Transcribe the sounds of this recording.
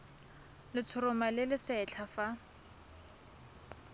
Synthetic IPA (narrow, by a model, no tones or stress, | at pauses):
lɪt͡sʰʊɾʊmalɪlɪsɛt͡ɬʰafa